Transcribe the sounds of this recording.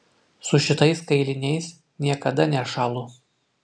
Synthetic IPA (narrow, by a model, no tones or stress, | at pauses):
sʊʃʲɪt̪ɐɪskɐɪlʲɪnʲɛɪs | nʲiɛkɐd̪ɐnʲɛʃɑːlˠʊ